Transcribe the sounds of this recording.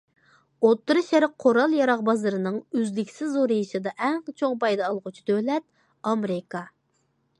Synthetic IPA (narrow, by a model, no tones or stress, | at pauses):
ot̪ːɨɾɨʃæɾqʰoɾɑlˠjɑɾɑʁbɑzɨɾɨnɨŋyzlɪkʲʰsɪzoɾɨjiʃɨd̪ɑʔɛŋqt͡ʃʰoŋpɑjd̪ɑːlˠʁʊt͡ʃʰi̥d̪ølɛt̪̚ | ɑmɾɪkɑ